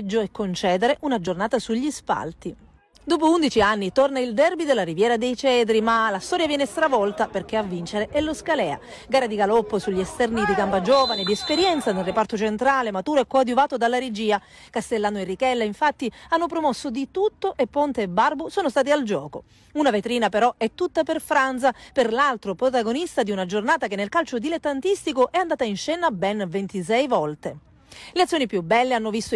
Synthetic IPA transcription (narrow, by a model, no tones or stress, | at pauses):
d͡ʒːoɛkːont͡ʃɛːd̪eɾeʔunad͡ʒornaːt̪asuʎːispa̰lt̪i | d̪oːp̬ound̪it͡ʃianːit̪ornaild̪ɛrbid̪elːaɾivjɛːɾad̪ejt͡ʃɛːd̪ɾimalast̪ɔːɾjavjɛːnest̪ɾavɔlt̪aperk̟eavːint͡ʃeɾeʔɛlːoskalɛːa̰ | ɡaːɾad̪iɡalɔpːosuʎːiɛst̪ɛrnid̪iɡampad͡ʒɔːvaned̪iespeɾjɛnt̪sanelrepart̪ot͡ʃent̪ɾaːlemat̪uːɾoɛkːaad̪juvaːt̪od̪alːaɾed͡ʒiːa | kast̪elːaːnoerːikɛlːaiɱfat̪ːianːopɾomɔsːod̪it̪ut̪ːoʔepːont̪eːbːarbosoːnost̪aːt̪̬iald͡ʒɔːko | unavet̪ɾiːnapeɾɔɛt̪ːut̪ːaperfɾant̪saperlalt̪ɾopɾot̪aɡonist̪ad̪iunad͡ʒornaːt̪akenːelkalt͡ʃod̪ilet̪ːant̪ist̪ikoʔɛand̪aːt̪ainʃɛːnabɛnvent̪is̬ɛjvɔlt̪e | leat̪sjoːnipjubːɛlːeanːovist̪o